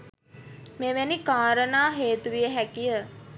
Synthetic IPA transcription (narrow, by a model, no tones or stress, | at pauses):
meʋenikaːɾənaːɦeːt̪uʋijəɦækijə